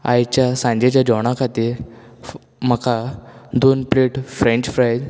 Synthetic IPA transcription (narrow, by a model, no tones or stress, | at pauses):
a̰jt͡ɕjasãɲd͡ʑet͡ɕjad͡ʑɔɽ̃akʰat̪i | m̤əkad̪onpleʈfɾẽɲt͡ɕfɾajd